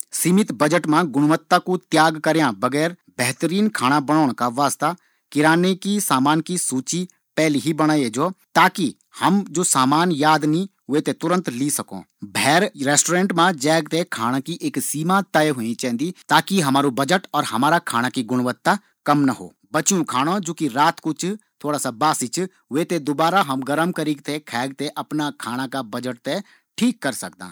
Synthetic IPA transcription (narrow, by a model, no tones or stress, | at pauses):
siːmɪt̪bɐd͡ʒəʈmãɡʊɽ̃ʋət̪ːakut̪jaːɡkəɾjãbɐɡɛːɾ | bɛɦt̪əɾiːnkʰaːɽ̃abɐɽ̃ɔːɽ̃kaʋaːst̪a | kɪɾaːnekisaːmaːnkisuːt͡ʃi | pɛːliɦibɐɽ̃aːied͡ʒoːt̪aːki | hɐmd͡ʒoːsaːmaːnjaːd̪niɦʊet̪et̪ʊɾə̃nt̪lisɐko̰ː | bʱɛːɾɾɛːsʈoːɾẽːɳʈmãd͡ʒɛːɡ̚t̪ekʰaːɽ̃ãkiʔeːksiːmat̪əeɦʊĩt͡ʃɛ̃ːɦnd̪it̪aːkiɦɐmaːɾubɐd͡ʒəʈɔːɾɦɐmaːɾakʰaːɽ̃akiɡʊɽ̃ʋət̪ːa | kɐmnɐɦo̰ː | bɐt͡ʃjũkʰaːɽ̃õd͡ʒoːkiɾaːt̪kʊt͡ʃʰt̪ʰoːɽaːsabaːsit͡ʃʰ | ʋet̪ed̪ʊbaːɾaɦɐmɡəɾəmkəɾiɡt̪ekʰɛːɡ̚t̪eʔɐpnakʰaːɽ̃akabɐd͡ʒəʈ̚t̪e | ʈʰiːkːɐɾsɐkd̪ã̰ː